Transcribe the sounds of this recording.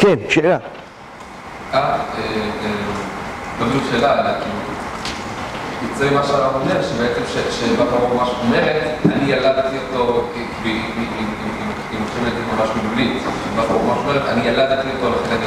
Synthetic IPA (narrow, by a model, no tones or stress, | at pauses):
kenʃeːla | ʔaee | komiuʃe̞ːlalakilu | it͡seimaʃeataome̞ʁʃebeet͡semʃeʃebafoʁumaʃomeʁetanijaladt̪ijot̪o | kvi | imimi | imot͡ʃemet̪imamaʃmilulitebafoʁumaʃome̞et̪anijaladt̪iotoleχenani